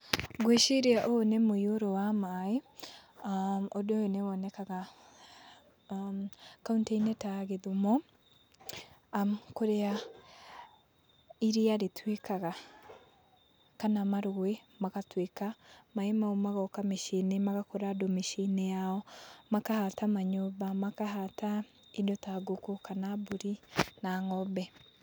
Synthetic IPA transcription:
ɡweʃeɾeaʔoonemoioɾowamae | odojoneβɔnɛkaɣa | kauntainɛtaɣeðumɔ | koɾea | iɾeaɾetwekaɣa | kanamaɾoɣwemakatwekamaemaomaɣɔkameʃenemaɣakɔɾadomeʃinejaɔmakahatamaɲoβamakaɦata | idɔtaɡokokanaboɾinaŋɔbɛ

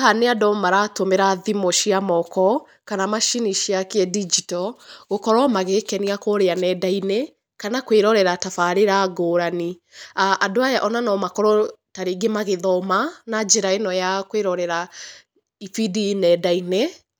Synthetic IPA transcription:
haneadɔmaɾatomeɾaðimoʃiamɔkɔ | kanamaʃiniʃiakeɛdid͡ʒitɔɣokɔɾɔmaɣekɛniakoːɾeanɛdaine | kanakweɾɔɾɛɾatafaɾeɾaɡoːɾani | aʔadoajaʔɔnanɔmakɔɾɔtaɾeɡemaɣeðɔmanad͡ʒeɾaenɔjakweɾɔɾɛɾa | ifidinɛdaine

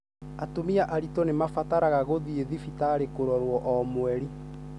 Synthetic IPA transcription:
atomiaʔaɾitonemafataɾaɣaɣoðieðifitaːɾekoɾɔɾwɔʔɔmwɛɾi

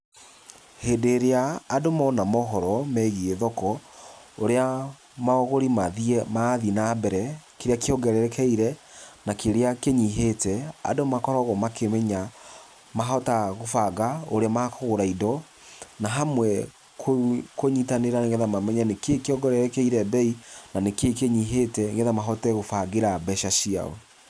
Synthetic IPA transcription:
heːdeɾeaːdomɔnamɔɦɔɾɔmɛɣieðɔkɔoɾea | maɔɣoɾimaðiɛmaðinabɛɾɛkeɾeakeɔɡɛɾɛɾɛkɛiɾɛnakeɾeakeɲiɦetɛa̰domakɔɾɔɣɔmakemɛɲa | maɦɔtaɣofaɣaoɾeamakoɣoɾaidɔ | naɦamwɛ | kʰokoɲitaneɾaneŋɡɛðamamɛɲɛnekekeɔɡɛɾɛɾɛkɛiɾɛbɛinanekekeɲiɦetɛŋɡɛðamaɦɔtɛɣofaɡeɾabɛʃaɕia̰wɛ

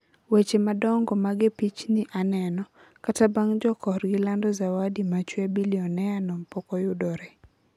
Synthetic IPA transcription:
wet͡ʃemadɔŋɡɔmaɡepit͡ʃnɪʔanɛnɔ | katabaŋd͡ʒɔkɔrɡɪlandɔzawadimat͡ʃwɛbiliɔnɛanɔmpɔkɔjʊdɔɾɛ

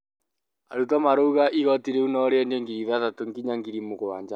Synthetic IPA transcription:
a̰ɾutɔmaɾouɣaʔiɣɔtiɾeunɔɾeɛndeŋɡiɾiðatatoŋɡiɲaŋɡiɾimoɣowaːɲd͡ʒa

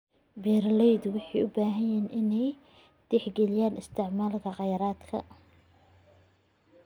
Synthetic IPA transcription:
bɛːɾlɛjd̪wʊħɑjʔʊbaːɦɐjɛːnʔɪnɛj | d̪̥ɛħɡɛlɪjaːnɪst̪ʰɪʕmaːlkʰɐqɑjɾaːd̪kʰɐ̰

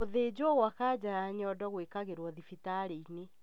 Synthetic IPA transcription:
oðeːd͡ʑɔɣwakaːd͡ʑaɾaɲɔdɔɣwekaɣeɾwɔðifitaɾeine

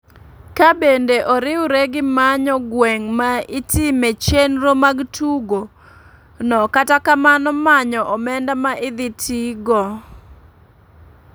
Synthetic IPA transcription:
kabendeʔɔɾɪwɾeɡɪmaɲɔɡwɛŋmaitɪmet͡ʃenɾomaɡtʰuɡo | nɔkatakamanɔmaɲɔʔɔmɛndamaʔɪd̪ɪtʰiɡɔ

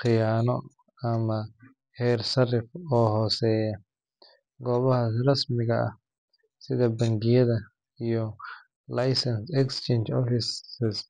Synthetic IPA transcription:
χɪjaːnɔ | ɐmɐ | hɛːrsɐrɪfɔːɦɔːsɛːjɐ | ɡɔːβɐhɐsrɐsmɪɣɐʔɐ̰h | sɪðɐbɐŋɡɪjɐðɐ | ijɔ | lɐjsɐnsɛkst͡ʃʰɛnt͡ʃɔfɪsɪs

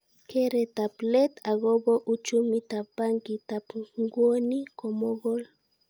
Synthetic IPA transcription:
keɾet̪aplet̪aɡoboʔʊt͡ʃʊmɪt̪apaŋkit̪apŋɡonikomoɡol

